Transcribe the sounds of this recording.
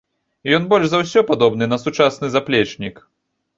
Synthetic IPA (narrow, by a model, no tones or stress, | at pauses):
jɔnbɔlʲʐzawsʲɔpad̪ɔbnɨnɐsut͡ʂasnɨzaplʲɛt͡ʂnʲik